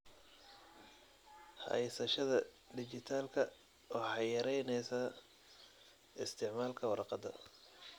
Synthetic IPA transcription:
ħɑ̰jsɐʃɐðɐ | d̪ɪt͡ʃɪt̪ʰaːlkʰɐ | ɔːħɑjɐɾɛjnɛjsɐː | ɪst̪ʰɪʕmaːlkʰɐwɑɾɑqɑd̪ɐ̰

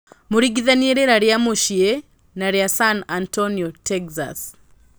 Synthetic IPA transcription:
moɾiɡiðanieɾeɾaɾjamoʃie | naɾjasanantɔniɔtɛɡza̰s

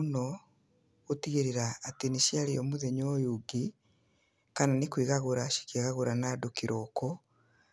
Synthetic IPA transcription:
unɔ | ɣotiɣeɾeɾaːteniʃiaɾiɔmoðɛɲɔjuɡi | kananekwiɣaɣoɾaʃi̥keɣaɣoɾanadokiɾʔɔkɔ

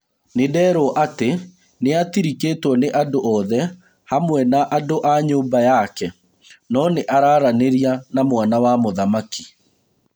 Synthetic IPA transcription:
nedɛːɾoʔate | neatiɾikeːtwɔneʔandoʔɔðɛ | hamwɛnaʔadoʔaɲoːmbajakɛ | nɔneʔaɾaːɾaneɾianamwanawamoðamaki̥

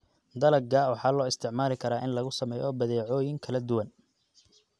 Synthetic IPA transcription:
d̪ɐlɐɡɡaːwɑħɑːlɔːɪst̪ʰɪʕmaːlɪkʰɐɾaːʔɪnlɐɣʊsɐmɛːjɔːbɐðɛːʕɔːjɪŋkʰɐlɐd̪ʊwɐn

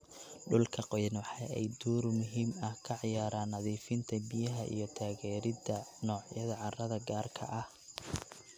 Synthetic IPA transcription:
ɖʊlkʰɐqɔjnwɑħɑjɛ̰jd̪uːɾmʊɦiːmɐhkʰɐʕjaːɾaːnhɐðiːfɪnt̪ʰɐbɪjɐɦɐʔḭjɞt̪ʰaːɣɛːɾɪdɐnɔːʕjɐðɐʕɑrɐðɐɡaːrkʰɐ̰ʔɐh

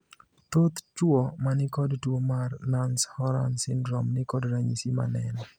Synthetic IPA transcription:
t̪ot̪t͡ʃwɔmanɪkɔdtwomarnanshɔɾa̰nsɪndɾɔmnɪkɔdɾaɲisima̰nɛnɔ

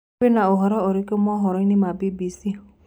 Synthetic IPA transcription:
enaoɦɔɾɔɔɾikɔmɔɦɔɾɔjnimabibisi

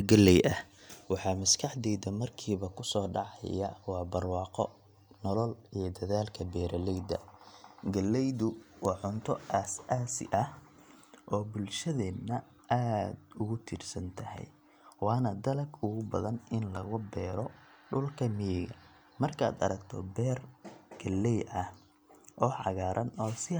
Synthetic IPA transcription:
ɡɐlɛjʔɐh | wɑħɑːmɐskʰɑħd̪ɛjd̪ɐmɐrkʰiːβɐkʰʊsɔːɖɑʕɑ̰jɐ̰wɑːbɐrwɑːqɔ̰ | nɔlɔlijɞd̪ɐðaːlkʰɐbɛːɾɐlɛjd̪ɐ̰ɡɐlːɛjdʊwɑːʕʊnt̪ʰɔʔasaːsɪ̰ʔɐh | ʔɔːbʊlʃɐðɛːnɐ | ʔaːd̪ʊɣʊt̪ʰiːrsɐnt̪ʰɐhɛ̰j | wɑːnɐd̪ɐlɐɡʊɣʊbɐðɐnɪnlɐɣʊbɛːɾɔ | ɖʊlkʰɐmɪjɛɣɐ̰ | mɐrkʰɐa̰ːd̪ɐ̰ɾɐkt̪ʰɔ̰bɛːrɡ̥ɐlːɛjʔɐh | ʔɔːʕɑɣaːɾʔɐnɔːsɪ

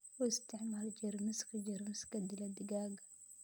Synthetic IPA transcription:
ɔɪst̪ʰɪʕmaːld͡ʒɛɾmɪskʰɐd͡ʒɛɾmɪskɐd̪ɪlɐd̪ɪɡaːɡɐ

